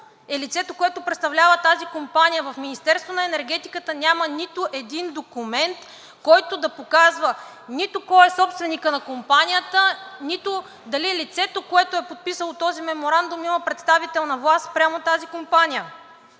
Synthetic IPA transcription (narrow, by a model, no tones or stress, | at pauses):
ɛlit̪sɛt̪okoɛt̪ʊpɾɛt̪st̪ɐvlʲavət̪azikompanʲijəvɐfminist̪ɛɾst̪vonɐɛnɛɾɡɛt̪ikət̪ənʲamənit̪ʊʔɛd̪ind̪okumɛnt̪ | kɔjt̪od̪ɐpokazvə | nit̪okɔjɛsɔpst̪vɛnikənɐkompanʲijət̪ənit̪o | d̪ɐliɛlit̪sɛt̪okoɛt̪oʊɛpot̪̚pisəlˠot̪ɔzimɛmoɾand̪ʊmimɐpɾɛt̪st̪avit̪ɛlˠnɐvlˠast̪pɾʲamot̪azikompanijə